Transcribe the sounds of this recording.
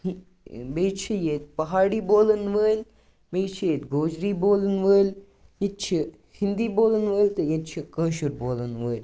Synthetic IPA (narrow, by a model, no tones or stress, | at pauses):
beːt͡ʃʰijeːt̪̚pɐɦaːɽiːboːlənʋəːlʲ | beːt͡ʃʰijet̪ɡoːd͡ʒɾiːboːlənʋəːlʲ | jet̪̚t͡ʃʰi | hind̪iːboːlənʋəːlʲt̪ɨjet̪̚t͡ʃʰikəːʃuɾboːlənʋəːlʲ